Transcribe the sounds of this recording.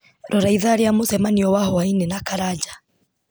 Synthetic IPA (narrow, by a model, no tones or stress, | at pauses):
ɾʔɔɾaiðaɾeamosɛmaniɔwahɔainenakaɾad͡ʒa